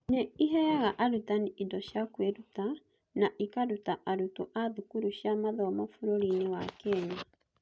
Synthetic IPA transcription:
neiɦɛɣaʔaɾutaniʔidɔɕjakweɾuta | naʔikaɾutaʔaɾutoʔaðukuɾuɕjamaðɔmafuɾoɾinewakɛɲa

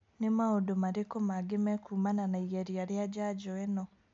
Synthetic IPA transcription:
nemaodomaɾekomaɡemɛkʰumananaiɣaɾjaɾjad͡ʒaɟɔɛnɔ

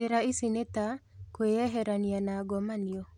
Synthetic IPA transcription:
eɾaisinetakweɛɦɛɾanianaɡɔmaniɔ

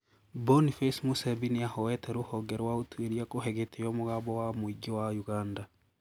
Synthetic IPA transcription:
bonifesmusɛbiniahɔɛtʰɛɾohɔɡɛɾwaotweɾiakoɦɛɣetʰejɔmoɣabɔwamoiɡiwajuɣanda

